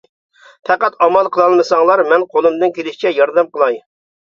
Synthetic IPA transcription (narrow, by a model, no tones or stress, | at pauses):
pʰɛqæt̪ɑmɑlˠqʰəlˠɑlˠmɨsɑŋlˠɑɾmɛnqʰolˠɨmd̪ɨnkʲʰelɪʃt͡ʃʰɛjɑɾd̪ɛmqəlˠɑj